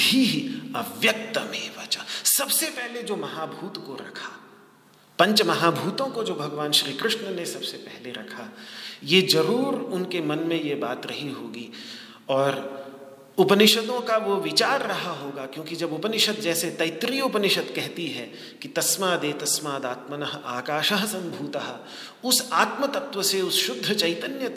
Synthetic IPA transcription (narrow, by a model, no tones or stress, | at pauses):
bʱiɦɐʋjək̚t̪əmeːʋat͡ʃasɐbsepɛɦled͡ʒoːmɐɦaːbʱuːt̪koɾɐ̰kʰa | pɐ̃ɲt͡ʃmɐɦaːbʱuːt̪õkod͡ʒoːbʱɐɡʋaːnʃɾiːkɾɪʃnənesɐbsepɛɦleɾɐ̰kʰajed͡ʒɐɾuːɾʊnkemɐnmẽjebaːt̪ɾɐɦiɦoːɡi | ɔːɾ | ʊpənɪʃəd̪õkaʋoʋɪt͡ʃaːɾːɐɦaɦoːɡakjõːkid͡ʒɐbʊpənɪʃət̪̚d͡ʒɛːset̪ɐɪt̪ɾiʊpənɪʃət̪kɛɦt̪iɦɛ | kit̪ɐsmad̪eːt̪ɐsmaːd̪aːt̪mənəɦaːkaːʃəɦsɐ̃mbʱuːt̪əɦ | ʊsaːt̪mət̪ɐt̪wʋəseʊsʃʊd̪ʱːət͡ʃɐɪt̪ənjə